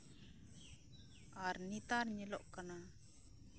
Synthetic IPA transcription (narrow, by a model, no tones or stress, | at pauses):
aɾnit̪aɾɲɛlɔʔkana